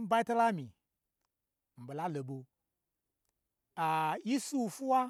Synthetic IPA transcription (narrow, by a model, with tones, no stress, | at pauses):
m̩˦ba˦i˦ta˦la˦mi˨ | m̩˨bo˨la˦lo˨bo˨ | a˨ji˦su˦˨fu˦wa˦